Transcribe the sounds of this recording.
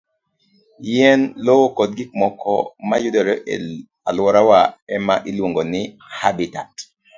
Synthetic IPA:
jɛnlowokod̚ɡik̚mɔkʰɔ̰majudɔɾɔʔɛ | alwɔɾawaɛmaʔilwoŋɡonɪ | habita̰t

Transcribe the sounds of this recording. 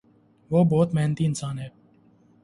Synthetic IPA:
ʋoːbɔːt̪mɛɦnət̪iːɪnsaːnɦɛː

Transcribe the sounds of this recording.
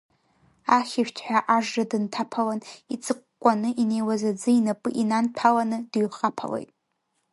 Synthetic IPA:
aχʲɪʃʷᶣt͡ʃʰħʷᶣaʔaʐradɨntʰapʰalanit͡sʰʼɨqʷ | kʷʼːanɨʔine̞jwazad͡zɨinapʼɨʔinanpʰalanɨdɥχapʰa̰lḛjtʼ

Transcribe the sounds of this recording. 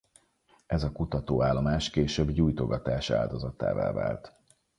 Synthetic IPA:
ɛzɒkut̪ɒt̪oːaːlːo̞maːʃkeːʃøbɟuːjt̪oɡɒt̪aːʃa̰ːld̪o̞zɒt̪a̰ːva̰ːva̰ːlt̪

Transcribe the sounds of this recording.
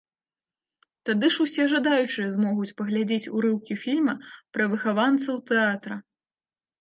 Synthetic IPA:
t̪ad̪ɨʂusʲɛʐad̪ajut͡ʂɨjɐzmɔɣut͡sʲpɐɣlʲad͡zʲet͡sʲṵɾɨwkʲifʲilʲmɐpɾɐvɨxavant̪sɐwt̪ɛat̪ɾɐ

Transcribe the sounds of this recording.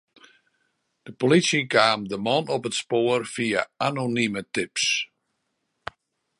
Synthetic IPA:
d̥əpolitsjəkaːmdəmɔnɔpətspoərfiaanonimətɪps

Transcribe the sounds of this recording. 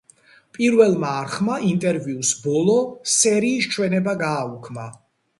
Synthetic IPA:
pʼiɾvɛlˠmaːɾχmaʔint̪ʼɛɾviusbɔlˠɔsɛɾiːst͡ʃʰwɛnɛbaɡaːukʰma

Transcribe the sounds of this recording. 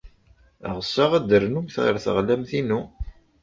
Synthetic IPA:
ʁəsːaʁæd̪əɾnumθʁə̰ɾθə̰ʁlæmθinu

